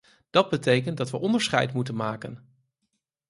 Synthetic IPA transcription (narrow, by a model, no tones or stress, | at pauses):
d̥ɑd̚bətejkəndɑtʋəʔɔndəɹsχɛ̰jtmutənmaːkən